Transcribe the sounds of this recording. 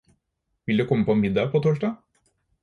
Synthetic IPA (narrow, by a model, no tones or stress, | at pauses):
ʋɪld̪ʉːkʰɔmːəpʰɔnmɪd̪ɑːpʰoːt̪ʰoːʂʈɑː